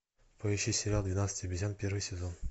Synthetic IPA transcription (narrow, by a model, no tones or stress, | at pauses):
pəjʲɪɕisʲɪɾʲalˠd̪vʲɪnat̪sɨ̥tʲɐbʲɪzʲanpʲervɨjsʲɪzon